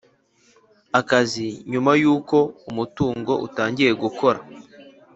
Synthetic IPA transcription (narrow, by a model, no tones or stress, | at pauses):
akaziɲumajuːko̞umutuːŋɡo̞̰ʔṵtaːɲɟiɾe̞ɡukʰo̞ɾa̰